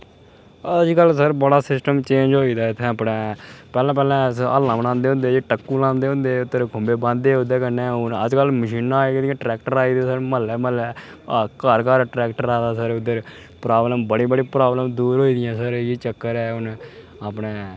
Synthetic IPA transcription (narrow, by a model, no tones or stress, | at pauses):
əd͡ʒkəlsəɾbəɽaːsɪsʈəmt͡ʃẽːɲd͡ʒɦoːiːd̪aːɪt̪ʰːẽːaːpnɛːpɛːlɛ̃ːpɛːlɛ̃ːsə̰lãːbəɽãːnd̪eːɦʊ̃nd̪eːʈəkːuːlãːnd̪eːõnd̪eːʊd̪əɾkʰʊ̃mbeːbãːneːʊd̪eːkənːẽːʊnə̰d͡ʒkəlməʃiːnːãːeːd̪ɪijãːʈɾɛːkʈəɾaːiːd̪eːsəɾməlɛːməlɛː | kəɾkaːɾʈɾɛːkʈəɾaːd̪aːsəɾʊd̪əɾ | pɾaːbləmbəɽĩːbəɽĩːpɾaːbləmd̪uːɾɦoːiːd̪ɪjãːsəɾiːt͡ʃəkːəɾɛːʊn | aːpɳeː